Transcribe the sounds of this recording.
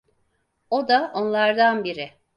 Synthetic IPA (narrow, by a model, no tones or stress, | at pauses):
o̞d̪aʔonlˠaɾd̪anbiɾɪ